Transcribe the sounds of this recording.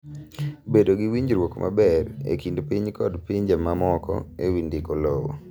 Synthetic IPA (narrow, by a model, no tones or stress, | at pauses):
bedoɡiwiɲɾwokmʔa̰bɛrḛkindpiɲkɔdpiɲd͡ʒamamɔkɔ̰ewindɪkolowo̰